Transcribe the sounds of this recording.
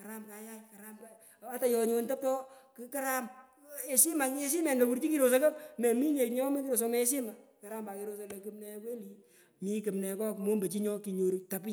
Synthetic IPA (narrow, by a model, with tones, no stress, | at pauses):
ka˨ɾa˦mka˨ja˦jka˨ɾa˦mk | a˦ta˨jɔ˨ɲo˧ntɛ˦p̚tɔ˦kka˦ɾa˦m | e˨si˦ma˨ke˦s̬i˦mɛ˨nlo˨ku˦ɾt͡ʃi˦ki˨ɾo˨s̬e˦kɐ˦pme˨mi˦ɲe˨ɲɔ˦me˦ki˦ɾo˨so˦me˦e˦s̬i˦ma˨ka˨ɾa˦mba˨ki˧ɾo˦so˧le˨kɨ˦mnɛ˨kwe˦li˨ | mi˨˦kɨ˨mnɛ˨kɔ˦kmo˦mbe˨t͡ʃi˦ɲɔ˦ki˨ɲo˨ɾta˨p